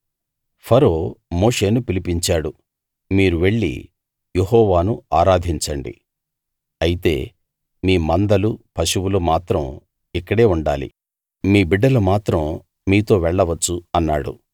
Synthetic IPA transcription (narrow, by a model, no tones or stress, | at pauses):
pʰɐɾo̞ːmo̞ːʂe̞ːnupilipiɲt͡ʃaːɽu | miːɾuʋe̞ɭːḭ | je̞ɦɔːʋaːnuaːɾaːd̪ʱiɲt͡ʃɐɳɖḭ | ɐjit̪e̞̰ː | miːmɐnd̪ɐlupʰɐʃuwulumaːt̪ɾɐm | ikːɐɽe̞ːuɳɖa̰ːlḭ | miːbiɖːɐlɐmaːt̪ɾɐm | miːt̪o̞ːʋɛɭːɐʋɐt͡ʃːuɐnːaːɽṵ